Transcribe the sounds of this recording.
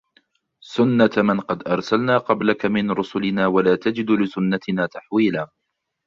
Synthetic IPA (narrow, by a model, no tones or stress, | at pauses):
sʊnːat̪mɪnqɑd̪ʔɑɾˤsalnaːqɑblakamɪnɾʊsʊlɪnaːwalaːt̪ad͡ʒɪd̪lɪsʊnːat̪ɪnaːt̪aħwiːlaː